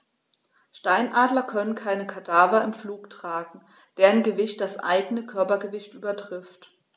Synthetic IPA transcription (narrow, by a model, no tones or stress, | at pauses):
ʃtaɪnʔaːdlɐkʰœnənkʰaɪnəkʰadaːvɐɪmfluːktʁ̥aːɡŋ̩ | d̥eːʁənɡəvɪçt̚d̥asʔa̰ɪɡənəkʰœɐpɐɡəvɪçtʔyːbɐtʁ̥ɪft